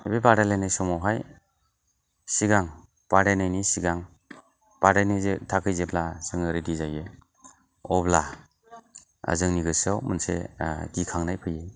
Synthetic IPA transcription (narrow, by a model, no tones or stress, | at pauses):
ebebaɾalajnajsɔmawɦaj | siɡaŋ | b̥aɾajnajnisiɡaŋ | b̥adajnizetʰakʰɯjzeblasɯŋɯɾedizajɯ | ɔbla | a̰zɯŋniɡɯsɯwmɯnsḛɡikʰaŋnajpʰɯjɯj